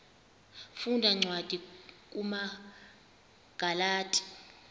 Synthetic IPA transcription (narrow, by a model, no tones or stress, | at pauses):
fundʱaŋ͡ǀʱwad̥ʱikʼuma | ɡ̥ʱalaːtʼi̥